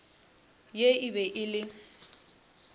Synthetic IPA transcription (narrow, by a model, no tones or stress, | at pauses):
jeʔɪbɛʔɪlɪ